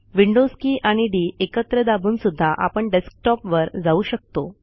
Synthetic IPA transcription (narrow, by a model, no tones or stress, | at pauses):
ʋiɳɖoskiːʔaɽ̃iɖiːekət̪ɾəd̪abʱuːnsud̪ʱːaʔa̰pəɳɖesk̚ʈɔpʋəɾd͡zauɕək̚t̪o